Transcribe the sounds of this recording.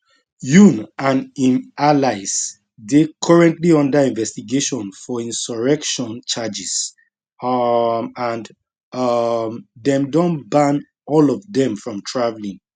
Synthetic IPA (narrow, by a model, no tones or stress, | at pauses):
junãnĩnalaɪs | dekʰɔɹɛ̃ntliɔ̃ndəĩnvɛstiɡeʃɔ̃nfɔĩnsɔɹɛkʃɔ̃nt͡ʃad͡ʒis | ãn | mðɛ̃mdɔ̃nbãn | ɔlɔvðɛ̃mfɹɔ̃mtʰɹavlĩŋ